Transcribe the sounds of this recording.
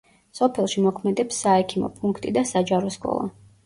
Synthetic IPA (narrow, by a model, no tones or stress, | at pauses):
sɔpʰɛlˠʃimɔkʰmɛd̪ɛpsːaɛkʰimɔ̰pʼuŋkʰt̪ʼid̪asad͡ʒaɾɔskʼɔ̰lˠɔ̰